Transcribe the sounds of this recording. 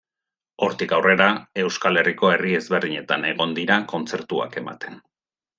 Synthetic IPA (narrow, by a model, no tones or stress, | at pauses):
o̞ɾt̪ikawre̞ɾae̞wskale̞riko̞e̞rie̞zβe̞ɾðiɲe̞t̪ane̞ɣo̞nd̪iɾako̞nt͡se̞ɾt̪ua̰ke̞ma̰t̪e̞n